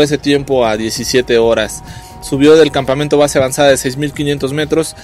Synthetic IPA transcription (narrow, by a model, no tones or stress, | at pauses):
eset̪je̞mpo̞aðje̞sisje̞t̪e̞o̞ɾasː | uβjo̞ðe̞lkampamẽnt̪o̞βaseaβansaðaðesejzmilkinje̞nt̪o̞zme̞t̪ɾo̞s